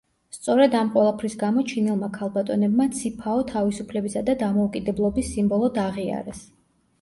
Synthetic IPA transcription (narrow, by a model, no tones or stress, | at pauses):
st̪sʼɔɾɛd̪amqʼwɛlˠapʰɾisɡamɔt͡ʃʰinɛlˠmakʰalˠbat̪ʼɔnɛbmat̪sʰipʰaɔt̪ʰavisupʰlɛbisad̪ad̪amɔukʼid̪ɛblˠɔbisːimbɔlˠɔd̪aʁia̰ɾɛs